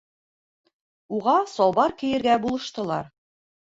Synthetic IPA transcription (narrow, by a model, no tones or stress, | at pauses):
uʁɑsɒlˠbɑɾkɘ̆jɘ̆ɾɡæbulˠɤ̆ʃt̪ɤ̆lˠɑɾ